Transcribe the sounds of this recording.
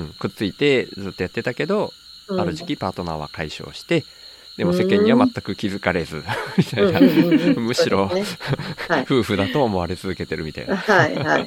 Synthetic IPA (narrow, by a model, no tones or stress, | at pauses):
ɯ̟̃ɴkɯ̟t͡sɨit̪e̞zɨːt̪ːojat̪ːe̞t̪ake̞d̪o̞ | aɾɯ̟ʑi̥kʲipaːt̪o̞na̰βa̰kaiɕo̞̰ːɕi̥t̪e̞ | d̪̥emo̞se̞̟kẽ̞ɲ̟ːiβamat̪ːakɯ̟kʲizɨkaɾe̞zɨ̰mʲit̪ainamɯ̟ɕiɾo̞ | ɸɯ̟ːɸɯ̟d̪at̪o̞ːmo̞βaɾe̞t͡sɨzɨke̞t̪e̞ɾɯ̟mit̪a̰ḭnaaia